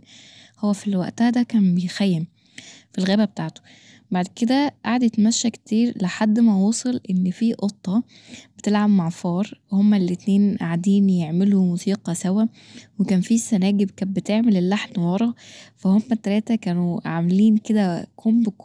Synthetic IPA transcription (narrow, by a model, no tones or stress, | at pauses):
howːæfilwæ̰ʔt̪æhæd̪ækæːnbejxæjːem | filɣæːbæbet̪aːʕt̪o̥ | baʕd̪ked̪æʔaʕd̪et̪mæʃːækt̪iːɾleħad̪ːmæwuːsˤelʔenːfiːʔot̪ˤːɑ | b̥et̪elʕamumaʕfɑːɾˤhomːælet̪neːnʔaʕad̪iːnjeʕmelumusiːqɑsæwæ | wekæːnfisænæːɡebkæːbet̪eʕmelelːaħnwɑɾˤɑfæhomːæt̪ːælæːt̪ækæːnuʕameliːnked̪ækʰombk